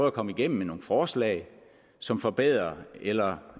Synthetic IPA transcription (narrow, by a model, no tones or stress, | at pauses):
ð̩ˠɐkʰɒ̽məiɡ̥em̰m̩meno̝ːŋ̩fɒːslɛ̰ːɪ | sɒ̽mfɒ̽b̥eð̞̰ˠʁɐelɐ